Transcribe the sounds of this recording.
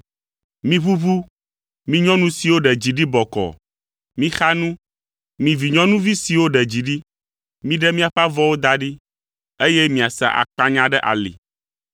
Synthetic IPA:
mĩ˦βu˦βu˦ | mĩ˦ɲɔ̃˦nũ˦si˨wo˦ɖɛ˨d͡ʑi˨ɖi˦bɔ˨kɔ̰˨ | mĩ˦xa˦nũ˦ | mĩ˨vi˨ɲɔ̃˦nũ˦vi˦si˨wo˦ɖɛ˨d͡ʑi˨ɖi˦ | mĩ˦ɖɛ˦mĩ˦a˨ɸa˦vɔ˦wo˦d̪a˦ɖi˦ | e˦je˦mĩ˨a˨sa̰˨ʔa̰˨k͡pa˦ɲã˦ɖɛ˦ʔa̰˨lḭ˨

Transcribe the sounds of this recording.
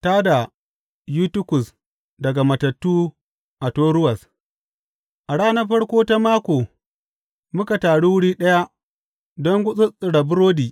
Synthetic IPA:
ta˦da˨ | juː˦tʊ˦kʊ˨s | dɐ˨ɡa˨mɐ˨tɐ˨tːuː˦ | ʔa˨toː˦ɽʊ˦wɐ˨s | ʔa˨ɽaː˦nɐ˦ɸɐ˦ɽkʷoː˦ta˦maː˦kʷoː˨ | mʊ˦ka˨taː˨ɽu˦wʊ˦ɽiː˦ɗɐ˦ja˦ʔ | dɔ˦ŋɡʷʊ˦sʼʊ˦sʼɪ˨ɽa˨bʊ˦ɾoː˦diː˨

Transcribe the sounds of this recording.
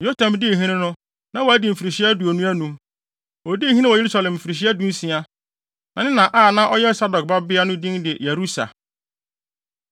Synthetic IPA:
jo˦tʰã˨mdɪ˦e˨ɦĩ˦nɪ̃˦nʊ̃˦ | nã˦wɔ˨æ˨˦dĩ˨m̩˨fi˨ɾi˨ɕɪ˦æ˦du˨o˨nũ˦æ˦nũ˨ | wɔ˨di˦˨ɦĩ˦nɪ̃˦wɔ˨e˦ɾu˦sa˨lɛ̃˨m̩˨fi˨ɾi˨ɕ̬i˦æ˦dũ˦n̩˦sĩ˨a˦ | nã˨nɪ̃˦nã˨ʔaː˦˨nã˦ʔɔ˦jɛ˦sa˦dɔ˨k̚ba˦bɪ˦a˦nʊ̃˦dĩ˦ndɪ˨je˨ɾu˦sa̰˨

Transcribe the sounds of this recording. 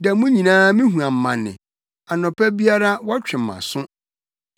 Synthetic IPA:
da˨mũ˦ɲĩ˨nãː˦mĩ˦ɦũ˨ã˨m̩˨mã˨nːɪ̰̃˨ | a˨nʊ̃˨pʰɛ˦bi˦a˦ɾa˦wɔ˦t͡ɕᶣɪ̃˨m̩˨mã̰˨sʊ̃˦

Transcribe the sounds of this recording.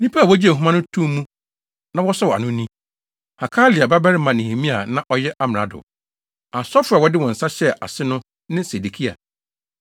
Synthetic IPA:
nĩ˦pʰa˦a˨wɔ˦d͡ʑi˦e˨ɦũ˦mã˦nʊ̃˦tʰũ˦mũ˦ | nã˦wɔ˦sɔ˦wɔ˨a̰˨nʊ̃˦nĩ˦ | ha˨kʰaː˦lɪ˨a˨ba˦bɛ˦ɾɪ˦mã˨nĩ˨hĩ˨mĩ˦a̰˨nã˦ʔɔ˦jɛ˦ʔa˦m˨ɾa̰˨dʊ̰˨ | a˨sɔ˦fʊ˦a˨wɔ˨˦dɪ˦wɔ̃˨n̩˨sa˦ɕɛ˦ʔa̰˨sɪ˦nʊ̃˦ | nɪ̃˦se˨de˨kʰi˦a̰˨

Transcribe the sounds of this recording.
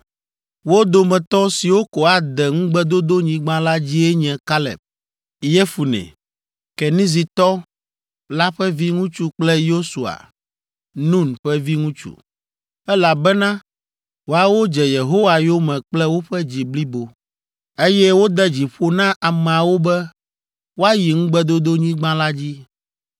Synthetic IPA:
wo˦d̪o˨mɛ̃˨t̪ɔ˦si˨wo˦kɔ˨a˨d̪ɛ˨ŋũ˦ɡ͡bɛ˦d̪o˦d̪o˦ɲĩ˨ɡ͡bã˦la˦d͡ʑi˦ɛ˦ɲɛ̃˨ka˦lɛ̰˨p̚ | jɛ˦fu˨nɛ̰̃˨ | kɛ˨nĩ˦zi˨t̪ɔ˦ | la˦ɸɛ˦vi˦ŋũ˦t͡ʃu˦k͡plɛ˦jo˦su˨a̰˨ | nũ˦˨nɸɛ˦vi˦ŋũ˦t͡ʃṵ˦ | ɛ˦la˨bɛ˦nã˦ | wo˦a˨wo˦d͡ʒɛ˨je˨ɦo˦wa˨jo˦mɛ̃˨k͡plɛ˦wo˦ɸɛ˦d͡ʑi˨bli˦bo˨ | e˦jɛ˦wo˦d̪ɛ˦d͡ʑi˨ɸo˦nã˦ʔa˨mɛ̃˨a˨wo˦bɛ˦ | wo˦a˦ji˨ŋ̩̃˦ɡ͡bɛ˦d̪o˦d̪o˦ɲĩ˦ɡ͡bã˦la˦d͡ʑi˦

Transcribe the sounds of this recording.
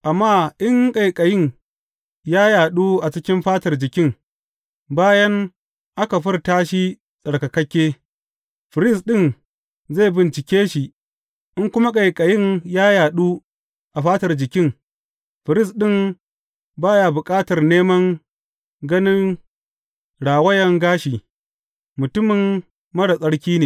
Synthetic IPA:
ʔa˨mːaː˦ʔɪ˦ŋkʼa˨jkʼɐ˨jɪ˦˨ŋ | jaː˦jaː˨ɗuː˦ʔa˨t͡ʃɪ˦kʲɪ˦mɸaː˦tɐ˨rd͡ʒɪ˨kʲɪ˦ŋ | baː˦jɐ˦ŋ | ʔa˦ka˨ɸɪ˦rtaː˦ʃi˦ | sʼɐ˨ɽkɐ˨kɐ˦kʲːeː˦ | ɸɪ˨ɾɪ˦s̬ɗɪ˦˨n | za˦˨bɪ˨nt͡ʃɪ˨kʲeː˦ʃi˨ʔ | ʔɪ˦ŋkʷʊ˦ma˦kʼɐ˨jkʼɐ˨jɪ˦ŋjaː˦jaː˨ɗuː˦ | ʔa˨ɸaː˦tɐ˨rd͡ʒɪ˨kʲɪ˦ŋ | ɸɪ˨ɾɪ˦˨sɗɪ˦˨m | baː˦jaː˨bʊ˨kʼaː˦tɐ˨rneː˦mɐ˦ŋ | ɡɐ˦nɪ˦ŋ | ɽaː˨wɐ˦jɐ˦ŋɡaː˦ʃiː˨ | mʊ˨tʊ˦mɪ˨m | mɐ˦ɽa˨sʼɐ˦ɽkʲiː˦neː˨

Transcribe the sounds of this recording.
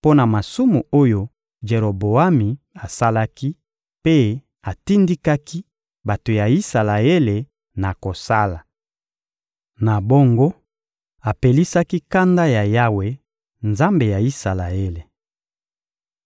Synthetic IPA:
po˦na˨ma˨su˦mu˨o˦jo˦ | ʒe˨ʁo˨bo˨a˦mi˨ | a˨sa˦la˦ki˦ | pe˦ | a˨ti˦ndi˦ka˦ki˦ | ba˨to˨ja˨i˦sa˨la˨e˦le˨ | na˨ko˨sa˦la˨ | na˨bo˦ŋɡo˦ | a˨pe˨li˦sa˦ki˦ka˦nda˦ja˨ja˦we˨ | nza˦mbe˨ja˨i˦sa˨la˨e˦le˨

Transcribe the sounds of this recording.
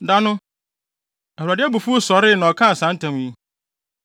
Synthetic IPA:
da˦nʊ̃˦ | ɛ˨u˨a˨dɪ˦ɛ˦bu˨fu˦o˦sɔ˨ɾɪ˦˨nã˨ɔ˨kʰã˦˨sã˨n˦tʰã˨m˦ji˦

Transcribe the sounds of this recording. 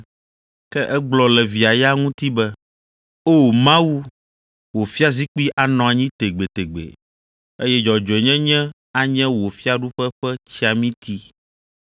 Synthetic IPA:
kɛ˦ʔɛ˦ɡ͡blɔ˨lɛ˨vi˨a˨ja˦ŋũ˦t̪i˦bɛ˦ | o˦˨mã˦wu˦ | wo˨fi˦a˦zi˦k͡pi˦ʔa˨nɔ̃˨a˨ɲĩ˦t̪e˨ɡ͡be˨t̪e˨ɡ͡bḛ˨ | e˦jɛ˦d͡ʒɔ˨d͡ʒɔ˨ɛ˨ɲɛ̃˦ɲɛ̃˦ | a˨ɲɛ̃˦wo˨fi˦a˦ɖu˦ɸɛ˦ɸɛ˦t͡ɕi˦a˨mĩ˦t̪i˦

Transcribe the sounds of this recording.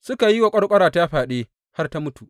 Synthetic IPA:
sʊ˦ka˨ji˦wɐ˨kʷʼɐ˦rkʷʼɐ˦ɾaː˨ta˦ja˦ɸaː˨ɗeː˦ | ha˦rta˦mʊ˦tu˨ʔ

